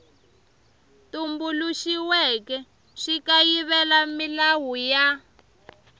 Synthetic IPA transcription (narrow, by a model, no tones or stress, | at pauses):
tumbuluʃiwɛkɛ | ʂikajiβɛlamilawuja